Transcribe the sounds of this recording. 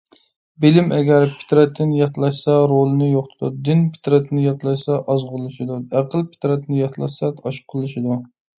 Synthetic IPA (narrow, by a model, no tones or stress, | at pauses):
bɪlɪmɛɡʲæɾpʰɪ̥t̪ɾɛt̪ʰːɪnjɑt̪lˠɑʃsɑɾolˠɨnɨjoχt̪ɨd̪ṵd̪ɪnpʰɪ̥t̪ɾɛt̪ʰːɪnɪjɑt̪lˠɑʃsɑʔɑzʁʊlˠɨʃɪd̪uæqəlˠpʰɪ̥t̪ɾɛt̪ʰnɪjɑt̪lˠɑ̰ʃsɑɑʃqʰʊlˠɨʃɪd̪u